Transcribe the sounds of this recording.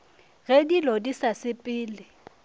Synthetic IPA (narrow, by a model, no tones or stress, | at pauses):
ɣɛdilodisasɪpʼɪːlɪ